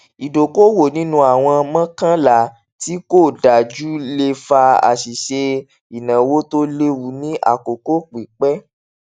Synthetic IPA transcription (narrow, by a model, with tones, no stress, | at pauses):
i˨do˨ko˦wo˦˨nĩ˦nũ˦a˨w̃ɔ̃˧mã˦kã˦la˨ | ti˦ko˦˨da˨d͡ʒu˦le˧fa˧a̰˨ʃi˨ʃe˧ | i˨nã˨wo˦to˦le˧wu˨˦nĩ˦ʔa̰˦˨ko˨ko˦k͡pi˨k͡pɛ˦